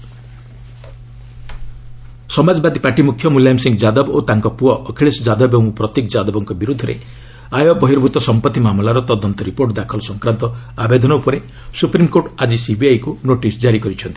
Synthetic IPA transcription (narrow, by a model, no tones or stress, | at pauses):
sɔmad͡ʒɔbad̪ipaʈimukʰjɔmuljamsiŋɡd͡ʒad̪ɔbot̪aŋkɔpuɔʔːkʰeɭesd͡ʒad̪ɔbew̃pɾɔt̪ekd͡ʒad̪ɔbɔŋkɔbiɾud̪ʱːɔɾḛ | ajɔbɔɦiɾbʱut̪ɔsɔmpɔt̪ːimamlaɾɔt̪ɔd̪ɔnt̪ɔɾipoɾʈd̪akʰɔlɔsɔŋkɾant̪ɔabed̪ʱɔnɔupɔɾe | supɾimkoʈad͡ʒisibiajkunoʈisd͡ʒaɾikɔɾit͡ʃʰɔnt̪i̥